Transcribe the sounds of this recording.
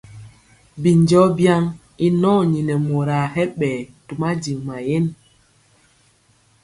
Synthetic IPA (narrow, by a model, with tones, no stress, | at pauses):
bi˨ɲd͡ʒɔ˦bja˦ŋ | i˦nɔ˦˨ɲi˨nɛ˨mo˨ɾa˨hɛ˦ɓɛ˨tu˨ma˦d͡ʒi˨ŋma˨je˦n